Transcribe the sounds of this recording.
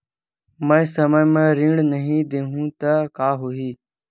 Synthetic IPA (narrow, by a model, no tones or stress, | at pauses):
mə̃ːsəməjmẽːɾĩːɽnəɦĩːd̪eːɦũːt̪əkaːɦuiː